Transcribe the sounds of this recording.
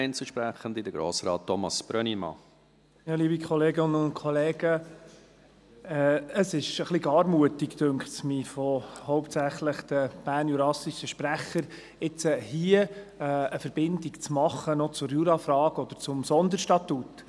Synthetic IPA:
ɪnt͡səʃpɾæχəndidəɡ̥ɾo̰ːsɾɑ̰ːt̚ːɔmɑ̰sb̥ɾœnimɑ̰ | jɑːliːbikʰɔleːɡɪnəʊnt̚kʰɔleːɡə | ɛəsɪʃəχliɡɑːɾmuətikt̪øŋkχtsmiːfɔhɔʊptsæχləχd̥̪əb̥æːɾnjuɾɑsiʃəʃpɾæχəɾ | ɪt͡səhiə | əfəɾbɪndikt͡smɑχːənɔt͡sʊɾjuɾɑfɾɑːɡɔd̪əɾt͡sʊmsɔnd̪əɾʃtɑt̪ut̪

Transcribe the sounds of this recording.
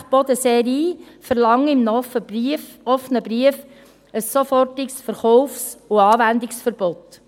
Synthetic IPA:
χb̥ɔd̪əseɾiːfəɾlɑŋɪmnf | ɔfnəbɾiəf | əsːɔfɔrtɪksfəɾχɔʊfsʊɑːvænd̪ɪksfəɾb̥ɔt

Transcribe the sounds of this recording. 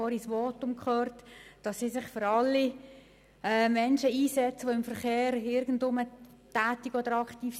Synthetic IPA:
ɔːɾisʋɔtʊmkχøːɾtd̥ɑsːisɪχfʏɾɑlːi | ɛːmɛnʃəiːsɛt͡səʋoɪmfəɾχeːɾɪɾɡən̩dʊmə | tæːtiɡɔd̥əɾɑkχtiːf

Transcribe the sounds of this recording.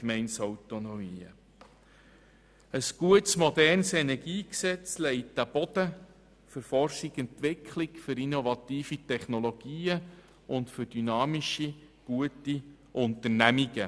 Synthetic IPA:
kmɛɪnsɔwtonɔiːə̰ | əsɡ̥uətsmɔdɛrnsɛnɛɾɡiːksɛt͡slɛɪtːæb̥ɔd̥̪ə | fʏɾfɔrʃikɛntʋɪkʰlikfʏɾinovɑt̪iːfitɛχnɔlɔɡ̥iːə | ʊntfʏɾd̥ynɑːmiʃi | ɡ̥uəti | ʔʊnt̪ərnæmiɡə

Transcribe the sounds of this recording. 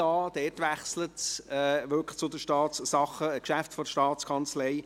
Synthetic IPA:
ɑːd̥ɛːtʋæχslətɛʋʏkt͡sʊd̪əʃtɑːtssɑχəkʃæftfɔdəʃtɑːtt͡skʰɑnt͡slɛɪ

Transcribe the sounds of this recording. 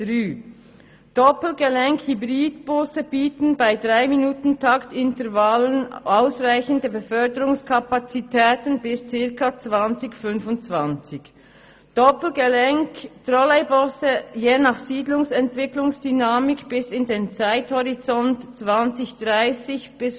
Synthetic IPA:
ʁyː | d̥ɔpl̩ɡəlɛŋkhybʁiːdb̥ɔsəb̥iːtən̩baɪdʁaɪminuːtn̩tʰaktɪntəʁvalənʔaʊsʁaɪçəndəbəfœɐdəɾʊŋskʰapat͡sitʰɛːtən̩bɪst͡sɪɐkʰat͡sv̥ant͡sɪçfʏnfʊnt͡sv̥ant͡sɪç | d̥ɔpl̩ɡəlɛŋktʁɔlɛɪbɔsəjeːnɑχsiːdlʊŋsɛntv̥ɪklʊŋsd̥ynaːmɪkb̥ɪsɪndeːnt͡saɪthɔʁit͡sɔntt͡sv̥ant͡sɪçd̥ʁaɪsɪçb̥ɪs

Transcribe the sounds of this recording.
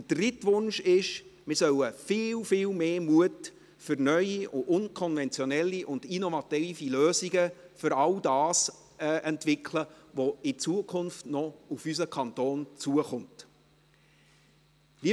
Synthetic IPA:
əd̥rɪtʋʊnʃɪʃmɪsœləfiːlfiːlmeːmuət | fʏɾnœʏiʊʊnkʰɔnvɛnt͡sjɔnɛlːiʔʊndinɔvɑtiːfiløːziɡəfʏɾɑldɑːs | ʔɛntvɪkʰləvɔɪt͡suəkʰʊnftnɔufys̬əkʰɑntoːnt͡suəχʊnt | li

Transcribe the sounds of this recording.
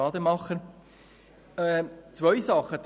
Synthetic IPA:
ɑːd̪əmɑχə | t͡svœʏsɑχːəd̪

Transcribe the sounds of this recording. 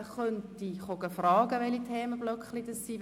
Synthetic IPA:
χœntiχoɡ̥əfrɑːɡ̥əʋɛlitʰɛːməblœkχlidəsːiː

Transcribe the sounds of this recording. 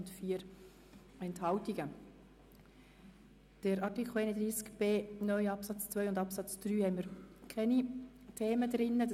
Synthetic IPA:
ntfiːəɾ | ɛnthɑltiɡə | d̥əɾɑɾtikʰl̩ˠeɪnəd̪ɾiːskb̥eːnœʏɑpsɑt͡st͡svœʏʊndɑpsɑt͡sd̥ɾyːhɛɪməɾkʰɛnitʰeːmədɾɪnːəd

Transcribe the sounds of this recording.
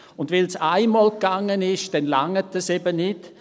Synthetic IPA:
ʊndvɪlsaɪmoːlkɡ̥aŋːənɪʃd̥ɛnla̰ŋətːəsɛbənɪt

